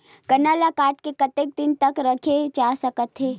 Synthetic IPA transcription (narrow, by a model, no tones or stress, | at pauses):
kɐnaːlakaːʈkekɐt̪ek̚d̪ɪnt̪ɐkɾɐkʰed͡ʒaːsɐkət̪ɦeː